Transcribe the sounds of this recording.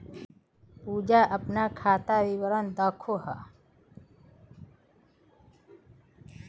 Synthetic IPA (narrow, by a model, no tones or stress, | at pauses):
puːd͡ʒaʔəpnakʰaːt̪aʋiʋəɾənd̪əkʰoɦa